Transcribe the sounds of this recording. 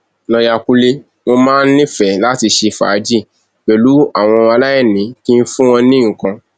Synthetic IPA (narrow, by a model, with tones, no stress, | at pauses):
nɔ˧ja˧ku˦le˧ | mo˧mãː˦n̩˦nĩ˦fɛ˨la˦ti˧ʃe˧fa̰ː˨˦d͡ʒi˦˨ | k͡pɛ˨lu˨˦a˦˨w̃ɔ̃˧a˧la˦jɛ˦˨nĩ˨˦ki˦n̩˦fũ˦w̃ɔ̃˧nĩ˦ŋ̩˨kã˧